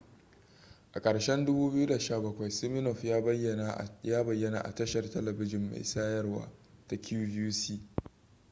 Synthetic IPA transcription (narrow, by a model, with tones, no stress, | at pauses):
ʔa˨kʼɐ˨ɽʃɛ˦ndʊ˦buː˦bɪ˦ju˦da˨ʃaː˦˨bɐ˦kʷa˨jsɪ˦mɪ˦nɔ˨ɸjaː˦jːɐ˦˨na˨jaː˦bɐ˨jːɐ˦na̰ː˨ʔa̰˨tɐ˦ʃɐ˨rtɐ˦lɐ˨bɪ˦d͡ʒɪ˨mːa̰˨jsaː˦jɐ˦rwa̰ː˦ta˨kʰʲuː˦vuː˦siː˦